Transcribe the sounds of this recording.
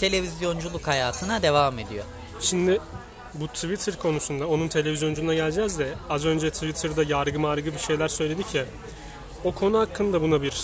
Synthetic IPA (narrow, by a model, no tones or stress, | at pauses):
t̪ʰe̞lʲe̞vizjo̞nd͡ʒulˠukhajaːt̪ʰɯnad̪e̞vaːme̞d̪ijo̞̰ | ʃimd̪ɪ | but̪ʰvit̪ʰɯɾkʰo̞nusund̪ao̞nunt̪ʰe̞lʲe̞vizjo̞nd͡ʒulunaɟælʲd͡ʒɛzd̪ɛazø̞nd͡ʒɛt̪ʰivit̪ʰɯɾd̪ajaɾɡɯmaɾɡɯbiʃe̞jlʲæɾsø̞jlʲe̞d̪icʰːɛ | o̞kʰo̞nuhakʰːɯnd̪abunabiɾ